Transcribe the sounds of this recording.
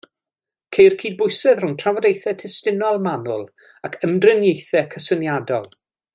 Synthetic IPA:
kʰejrkʰiːd̚bʊjsɛðrʊntʰravɔdejθɛtʰɪstɪnɔlˠmanʊlˠ | akʰəmdrɪnjejθɛkʰəsənjadɔlˠ

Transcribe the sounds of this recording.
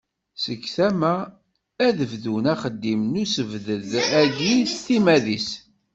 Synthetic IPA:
səkːθæmæ | æðəvðunæχəd̪ːimnusəvðəðæʝist̪imæðis

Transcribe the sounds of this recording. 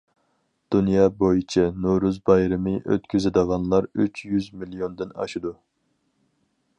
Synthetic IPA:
d̪̥unjɑːbojit͡ʃʰinuɾuzbɑjɾɨmɨʔø̰t̪kʲyzɪd̪əʁɑnlˠɑɾyt͡ʃʰjyzmilijond̪ɪnɑ̰ʃid̪u

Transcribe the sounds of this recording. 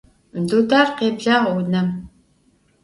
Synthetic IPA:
mduːd̪aːrqeːbɮaːʁɐwnɐm

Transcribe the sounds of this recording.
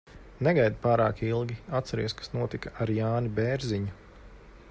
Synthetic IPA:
neɡajd̪paːɾaːkilˠɡʲiat̪t̪sɛɾiɛskḁsnuɔt̪ikaaɾjaːnibɛːɾziɲu

